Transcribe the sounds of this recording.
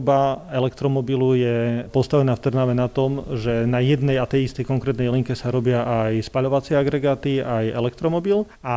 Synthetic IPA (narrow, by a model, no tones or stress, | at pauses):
baɛlɛkt̪ɾɔmɔbilujɛpɔst̪aʋɛnaːft̪rnaʋɛnat̪ɔmʒɛnajɛd̪nɛjat̪ɛjist̪ɛjkɔŋkɾɛːt̪nɛjliŋkɛsaɾɔbɪaʔajspaʎɔʋat͡sɪɛaɡɾɛɡaːt̪iajɛ̰lɛkt̪ɾɔmɔbil | a